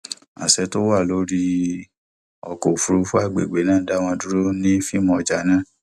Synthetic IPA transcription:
a̰˨sɛ˨˦to˦wa˦˨lo˨˦ɾi˧ | ɔ˧ko˨fu˨ɾu˧˦fu˦a˦˨ɡ͡be˨ɡ͡be˨˦nãː˦˨˦da˦w̃ɔ̃˧du˦ɾo˦nĩ˦fi˦mɔ̃˧˨d͡ʒa˨˦nã˦˨

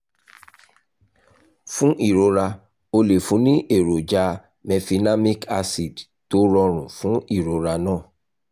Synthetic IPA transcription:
fũ˦ʔi˦˨ɾo˨˦ɾa˧ | o˧le˨fũ˧˦nĩ˦ʔe˦˨ɾo˨d͡ʒa˧ | mɛ̃˧fi˧na˦mĩ˦ka˧si˨d | to˨˦ɾɔ˧ɾ̃ũ˨fũ˦i˦˨ɾo˨˦ɾa˧nãː˦˨

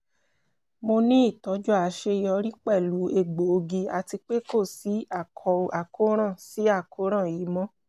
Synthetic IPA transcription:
mo˧nĩ˦i˦˨tɔ˨˦d͡ʒɔ˦a˨˦ʃe˧jɔ˧ɾi˦k͡pɛ˦˨lu˨˦e˦˨ɡ͡bo˨o˧ɡi˧a˧ti˧k͡pe˦ko˦˨si˨˦a˦˨kʰɔ˧a˨ko˦ɾ̃ã˦˨si˨˦a˦˨ko˨˦ɾ̃ã˦˨ji˨˦mɔ̃˦

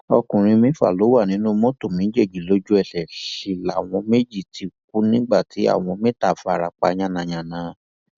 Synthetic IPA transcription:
ɔ˧kũ˨ɾ̃ĩ˧mĩ˦fa̰˦˨lo˨˦wa˦˨nĩ˨˦nũ˦mõ˦to˦˨mĩ˨˦d͡ʒe˦˨d͡ʒi˨lo˨˦d͡ʒu˦ɛ˦˨ʃɛ˨ʃi˨la˨w̃ɔ̃˧me˦d͡ʒi˦˨tʰi˧k̚u˦nĩ˦ɡ͡ba˦˨ti˨˦a̰˦˨w̃ɔ̃˧mẽ˦ta˦˨fa˧˨ɾa˨k͡pa˧ɲ̃ã˦˨nã˨ɲ̃ã˨nãː˨˦

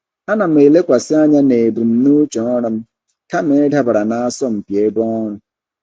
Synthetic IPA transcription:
a˦na˨m̩˦e˨le˦kʷa˨sɪ˦a˦ɲa˦ne˨bu˨m̩˦nu˦t͡ʃɔ˨ŋɔ˦ɾa˦m̩˦ | ka˦m̩˦e˦e˦da˦ba˨ɾa˨na˨a˦sɔ˦m̩˨pje˨˦bɔ˦ɔ˦nʊ˨

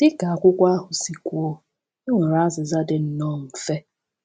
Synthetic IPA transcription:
d̥ɪ˦ka˨a˨kʷʊ˦kʷa˦a˦ɦʊ˨si˨kʷo˦ | i˦ŋʷe˨ɾa˦zɪ˨za˦dɪ˨n̩˦nɔ˦˨m̩˨fe˦

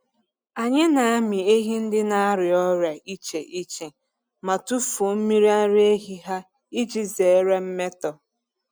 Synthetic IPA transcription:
a˨ɲe˦na˨a˦mi˨e˦ɦi˦n̩˦dɪ˦na˦a˦ɾɪ˨ɔ˦ɾja˨ʔi˦t͡ʃe˨ʔi˦t͡ʃe˨ | ma˨tu˦fu˨m̩˦mi˦ɾi˦a˦ɾe˦ɦi˦ɦa˦ | i˦d͡ʒi˦ze˨˦ɾe˦m̩˦me˦tɔ˨

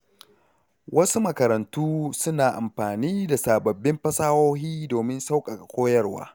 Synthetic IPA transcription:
wɐ˦su˦mɐ˨kɐ˨ɾɐ˨ntuː˦sʊ˦naː˨ʔa˨mɸaː˨niː˦da˨saː˨bɐ˨bːɪ˦mɸɐ˦saː˦woː˦ɦiː˦doː˨mɪ˦nsa˦wkʼa˨a˨kʷoː˦jɐ˦rwa̰ː˦

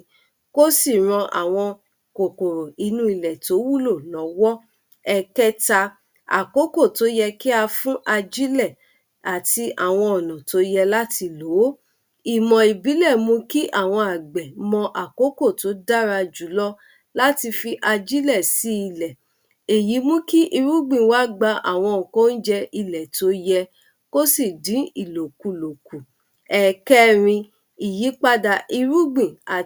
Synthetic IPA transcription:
ko˦si˦˨ɾ̃ɔ̃˧ʔa̰˨w̃ɔ̃˧ | ko˨ko˨ɾo˨i˧nũ˧˦i˨lɛ˨to˨˦wu˦˨lo˦˨lɔ̃˨˦wɔ˦ | ɛ˧kɛ˦ta˧ | a̰˨ko˨˦ko˦˨to˨˦jɛ˧ki˦a˧fũ˦ʔa˧d͡ʒi˦lɛ˦˨ | a˨ti˧ʔa̰˨w̃ɔ̃˧ɔ˨nɔ̃˨to˨˦jɛ˧la˦ti˧lo˨˦ | i˨mɔ̃˨i˨bi˨˦lɛ˦˨mũ˧ki˦ʔa˦˨w̃ɔ̃˧a˨ɡ͡bɛ˨mɔ̃˧ʔa˨ko˨˦ko˦˨to˨˦da˦ɾa˧d͡ʒu˨˦lɔ˦ | la˦ti˧fi˧ʔa˧d͡ʒi˦lɛ˦˨si˨˦i˦˧˨lɛ˨ | e˨ji˨˦mũ˦ki˦ʔi˧ɾu˦ɡ͡bĩ˨wa˨˦ɡ͡ba˧a̰˨w̃ɔ̃˧˨ko˦n̩˦d͡ʒɛ˧i˧˨lɛ˨to˨˧˦jɛ˧ | ko˦si˦˨dĩ˨˦i˨lo˨ku˨lo˨ku˨ | ɛ˦˨kɛ˦ɾ̃ĩ˧ | i˨ji˨˦k͡pa˦da˧ʔi˧ɾu˦ɡ͡bĩ˦˨a˨

